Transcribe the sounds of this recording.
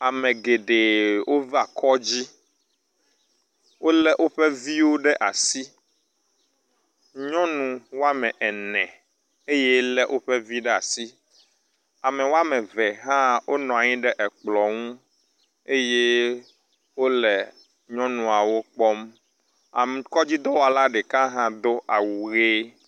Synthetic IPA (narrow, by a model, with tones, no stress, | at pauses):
a˨mɛ̃˨ɡe˨ɖe˨wʔo˦va˨kɔ˦d͡ʑi˦ | wo˦lɛ˦ʔo˦ɸɛ˦vi˦wo˦ɖɛ˦ʔa˨si˦ | ɲɔ̃˦nũ˨wo˦a˦mɛ̃˨ʔɛ˨nɛ̃˨ | e˦jɛ˦lɛ˦ʔo˦ɸɛ˦vi˦ɖɛ˦a˨si˦ | a˨mɛ̃˨wo˦a˦mɛ̃˨vɛ˨ɦã˦wʔo˦nɔ̃˨a˨ɲĩ˦ɖɛ˦ʔɛ˨k͡plɔ˨ŋũ˦ | e˦je˦ | wo˦lɛ˨ | ɲɔ̃˦nũ˨a˨wo˦k͡pɔ˦m | a̰˨m˨kɔ˦d͡ʑi˦d̪ɔ˦wo˦a˨la˦ɖɛ˨kã˦ɦã˦d̪o˦ʔa˨wu˨ɣe˦